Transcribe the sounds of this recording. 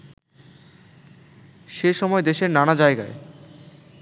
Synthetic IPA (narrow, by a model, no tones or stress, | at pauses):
ʃeʃɔmɔed̪eʃeɾnanad͡ʑaeɡa̰e